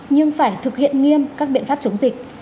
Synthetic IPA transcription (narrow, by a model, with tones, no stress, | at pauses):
ɲɨ˧ŋfaː˧˩jt̪ʰɨ˨˩k̚hḭ˧˨ənŋi˧əmkaː˦˥k̚ɓḭ˧˨nfaː˦˥p̚t͡ɕo˨˦wŋ͡mzï˨˩k̟̚